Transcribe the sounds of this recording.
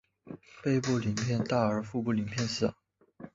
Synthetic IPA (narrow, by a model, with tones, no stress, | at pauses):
pe˥˧ɪpu˥˩li˨˩ŋpʰjɛ˥˧nt̪a˥˩ə˞˧˥fu˥˧pu˥˩li˨˩ŋpʰjɛ˥˧nsɹ̩˥˩